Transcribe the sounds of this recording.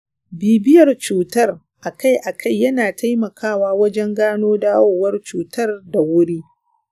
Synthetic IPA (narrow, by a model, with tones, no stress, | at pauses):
biː˨bɪ˦jɐ˨rt͡ʃuː˨tɐ˦r | ʔa˨ka˦˨jʔa˨kʰa˦˨jːɐ˦naː˨ta˦jmɐ˨kʰaː˦˨waː˦wɐ˦d͡ʒɛ˦ŋɡaː˦noː˦daː˦woː˦˨wɐ˦rt͡ʃuː˨tʰɐ˦rda˨wʊ˦ɽiː˦